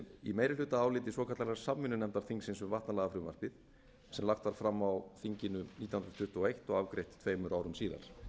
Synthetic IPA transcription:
ḭmeːjɾɪlʏːt̪aaːwlɪːt̪ɪsvɔːkʰat̪lalɛaɾsamːɪnːʏnɛmnt̪aɾθiŋksɪnsʏvaht̪nalaːɣafɾʏmva̰r̥pɪð | sɛmlaxt̪vaɾ̥fɾamːawθiɲcɪnʏniːt̪jahnɾt̪ʰʏht̪ʊɔejht̪ɔɣavkɾejht̪t̪ʰveːjmʏɾʔaːwɾʏmsiːða̰ɾ̥

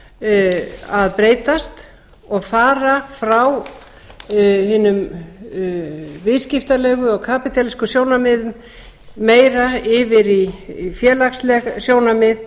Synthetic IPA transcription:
aðpɾeːjt̪ast̪ | ɔɣfaːɾafɾaw | hɪnːʏm | vɪðscɪft̪alɛːɣʏɔɣkʰaːpit̪ʰaliskʏsjoːwnamɪðʏm | meːjɾaɪvɪɾifjɛːlakslɛɣsjoːwnamɪð

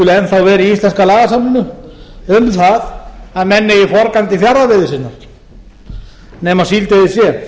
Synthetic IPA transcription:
ʏlɛnθawvɛːɾiist̪lɛnskalaːɣasamnɪnʏʏmθaðaðmɛnːɪifɔɾkant̪ɪfjaɾavɪːðɪsɪnːa | nɛːmasilt̪eðɪsjɛ

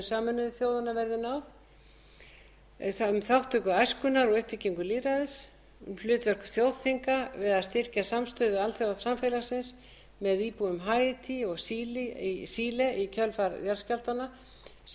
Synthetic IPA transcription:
saːmʏnʏðʏθjowðanavɛɾðɪnawθ | mθawht̪ʏkʏajskʏnaɾɔɣʏhpicːiŋkʏliːɾaðɪs | mflʏːt̪vɛr̥kʏ̥θjoːwðθiŋkavɪðaðst̪ɪr̥casamst̪ʏːðʏalθjowvaðsamfelasɪns | mɛðiːpuʏmɦajɪt̪ʰiɔɣsiːlɪisiːlɛʔicʰœlfaɾðjalscal̥t̪ana

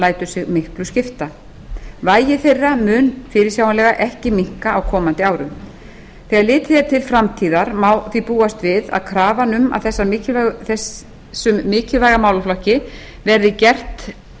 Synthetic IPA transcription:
laːjt̪ʏsɪɣmɪhklʏscɪft̪a | vaːjɪθejrːamʏːnfɪːɾɪɾ̥sjaːwanlɛːɣaʔɛhcɪmiŋ̥kaʔːwkʰɔːmant̪ɪaːwɾʏ̰m | θɛːɣaɾlɪːt̪ɪθɛt̪ʰɪlfɾamt̪ʰiːðaɾmawθipuːast̪vɪða̰ðkʰɾaːvanʏma̰ðθɛsːaɪθɛ | sːʏmːɪːcɪlvajɣamaːwlaflɔhcɪ | vɛɾðɪcɛr̥t̪

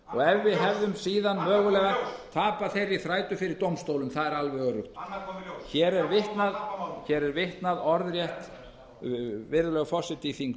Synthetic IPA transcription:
ɔɣɛvːɪðɦɛvðʏmsiːðanmœːɣʏlɛɣat̪ʰaːpaθejɾiθɾaːjt̪ʏfɪɾɪɾt̪owmst̪owlʏmθaðɛɾalvɛɣœrʏxt̪çɛːɾɛɾvɪht̪naðçɛɾɛɾvɪht̪naðɔɾðɾjɛht̪ | vɪɾðʏlœɣfɔsɪt̪iθiŋk

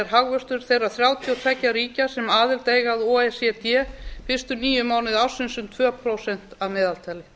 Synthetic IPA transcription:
ɛɾ̥ɦaɣvœst̪ʏɾ̥θejrːaθɾjaːwt̪ʰjɔt̪ʰvɛcːaɾiːcḁsɛmaːðɪlt̪eːjɣaðoːɛsɛt̪jɛːfɪst̪ʏniːjʏmaːwnɪðawsɪnsʏmt̪ʰvœːpʰɾowsɛn̥t̪avmɛːðalt̪ʰaːlɪ

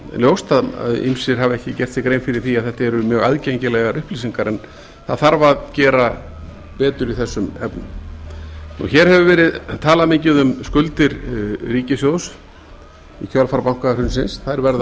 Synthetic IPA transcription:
ljowst̪að̰ðḭmsɪɾ̥ɦavɛhcɪcɛr̥t̪sɪkɾejnfɪɾɪɾ̥θiaðθɛht̪aɛɾʏmjœːɣaðcejɲcɪlɛɣaɾʏhplisiŋkaɾɛn | θaðθaɾvaðcɛːɾa | pɛːt̪ʏɾiθɛsːʏmɛpnʏ̰m | nṵçɛɾ̥hɛvʏvɛːɾɪðt̪ʰaːlamɪɲcɪðʏmskʏlt̪ɪɾriːcɪsjows | icʰœlfaɾpawŋ̥kaɾhʏnsɪnsθaɾvɛɾða

